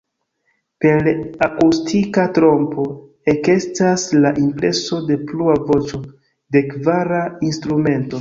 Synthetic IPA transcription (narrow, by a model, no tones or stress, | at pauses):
pe̞lakustʰikatɾo̞mpo̞ | e̞ke̞staslaʔimpɾe̞so̞de̞pluavo̞t͡ʃo̞ | de̞kvaɾainstɾume̞nto̞